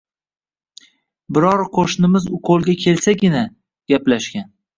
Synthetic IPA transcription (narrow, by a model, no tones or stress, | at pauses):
bɪɾɒɾqʰoʃnɪmɪzʊqʰolˠɡʲakʲʰe̞lsakʲɪna | ɡ̥ʲaplaʃɡʲan